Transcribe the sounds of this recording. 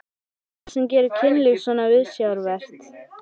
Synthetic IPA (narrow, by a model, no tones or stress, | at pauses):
sɛmcɛːɾʏcʰɪnlɪɣsɔnaɪðsjawɾvɛr̥t̪